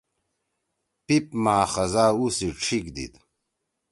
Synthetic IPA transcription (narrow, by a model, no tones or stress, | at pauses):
pip̚maːxɐzaːusiʈ͡ʂʰikd̪ḭt̪